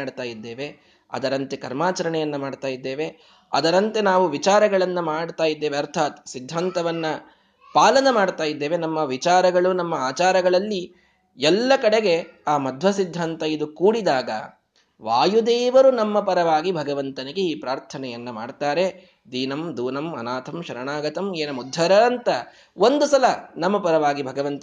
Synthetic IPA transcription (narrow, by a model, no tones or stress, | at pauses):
aːɽt̪aːjid̪ːeːʋe̞ | ɐ̰d̪ɐɾɐnt̪e̞kɐɾmaːt͡ʃɐɾɐɳɛjɐnːɐmaːɖt̪aːjid̪ːeːʋe̞ | ɐ̰d̪ɐɾɐnt̪e̞naːʋuʋit͡ʃaːɾɐɡɐɭɐnːɐmaːɽt̪aːjid̪ːe̞ːʋeɐɾt̪ʰaːt̪sid̪ʱːaːnt̪ɐʋɐnːɐ | paːlɐnɐmaːɽt̪aːjid̪ːe̞ːʋe̞nɐmːɐʋit͡ʃaːɾɐɡɐɭunɐmːɐaːt͡ʃaːɾɐɡɐɭɐlːi | ɛlːɐkɐɽe̞ɡe̞aːmɐd̪ʱʋɐsid̪ʱːaːnt̪ɐid̪ukuːɽid̪aːɡɐ̰ | ʋaːjud̪eːʋɐɾunɐmːɐpɐɾɐʋaːɡibʱɐɡɐʋɐnt̪ɐneɡeiːpɾaːɾt̪ʰɐnɛjɐnːɐma̰ːɖt̪aːɾe̞ | d̪iːnɐmd̪uːnɐmɐ̰naːt̪ʰɐmʃɐɾɐɳaːɡɐt̪ɐmeːnɐmud̪ʱːɐɾɐːnt̪ɐ | ond̪usɐlɐnɐmːɐpɐɾɐʋaːɡibʱɐɡɐʋɐnt̪ɐ